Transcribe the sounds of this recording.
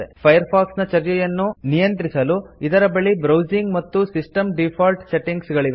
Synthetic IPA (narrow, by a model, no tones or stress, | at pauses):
epʰɐjɐɾpʰaːksnɐt͡ʃɐɾt͡ʃɛjɐnːunijɐnt̪ɾisɐluid̪ɐɾɐbɐɭibɾɐwd͡ʒiŋɡmɐt̪ːusisʈɐmɖipʰaːlʈse̞ʈiŋɡsɡɐɭiʋ